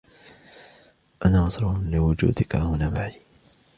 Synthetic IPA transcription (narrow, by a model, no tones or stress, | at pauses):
ʔanaːmɑsɾˤɑlɪwʊd͡ʒṵːd̪ɪkahʊnamaʕi